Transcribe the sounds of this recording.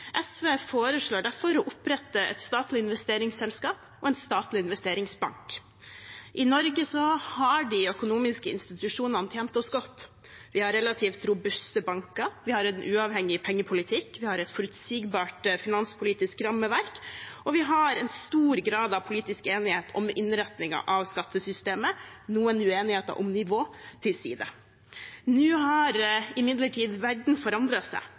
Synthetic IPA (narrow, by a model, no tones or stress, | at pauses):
ʔɛsʋeːfoːɾəʂɭoːɖæɾfɔɾɔʔʊpɾɛt̪ːəʔɛ̰t̪st̪ɑːt̪lɪɪnʋɛst̪eːɾɪŋsɛlskɑːp | ɔɛnst̪ɑːt̪lɪɪnʋɛst̪eːɾɪŋsbɑ̰ŋk | ʔɪnɔɾɡəsɔhɑɖɪœkʊnuːmɪskəɪ̰nst̪ɪt̪ʉʂuːnɑnət̪ʰjɛːnt̪ɔsɡɔt̪ː | ʋɪhɑɾɛlɑt̪ʰiːft̪ɾʊbʉst̪əbɑŋkɑɾʋɪhɑɾɛnʔʉɑʋhɛŋːɪpʰɛŋːəpʰʊlɪt̪ʰɪkʋɪhɑɾɛt̪fɔɾʉt̪siːɡbɑːʈfɪnɑnspʰʊliːt̪ɪskɾɑmːəʋæɾkɔʋɪɦɑɾɛnst̪uːɾɡɾɑːd̪ɑʋpʰʊliːt̪ɪskeːnɪheːt̪ʰɔ̰mʔɪnɾɛt̪nɪŋɑ̰ʔɑʋskɑt̪ːəsʏst̪eːmənuːənʉeːnɪheːt̪ə̰ɾʔɔ̰mnɪʋoːt̪ʰɪlsḭːd̪ə̰ | nʉːɦɑɾɪmɪd̪ləʈʰiːd̪ʋæɖɳ̩fɔɾɑnd̪ɾɑsæ̰ɪ